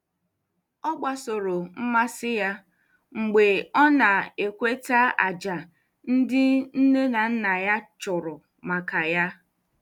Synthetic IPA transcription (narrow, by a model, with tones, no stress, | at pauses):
ɔ˦ɡ͡ba˦so˨ɾo˨m̩˦ma˦sɪ˦ja˦ | ŋ͡m̩˨ɡ͡be˨ɔ˦na˨e˨kʷe˦ta˦a̰˨d͡ʒa˨ | n̩˦dɪ˦n̩˦ne˦na˨n̩˦na˨ja˦t͡ʃʊ˨ɾʊ˨ | ma˨ka˨ja˦